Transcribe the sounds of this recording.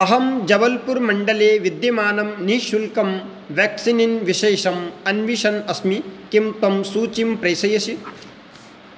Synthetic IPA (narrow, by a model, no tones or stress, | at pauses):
ɐɦɐmd͡ʒɐʋɐlpuɾmɐɳɖɐleːʋid̪jɐmaːnɐmniːʃulkɐm | ʋaːksininʋiʃeːʃɐmɐnʋiʃɐnɐsmikimt̪ɐmsuːt͡ʃimpɾɐjsɐjɐsi